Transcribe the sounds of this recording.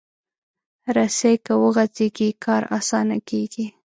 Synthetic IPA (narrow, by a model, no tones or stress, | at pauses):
ɾasejkawəɣazeɡikʰɑɾɑ̰sɑnakeɡi